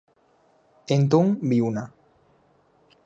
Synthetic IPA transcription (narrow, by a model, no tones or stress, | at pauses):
ent̪̬oŋbiuna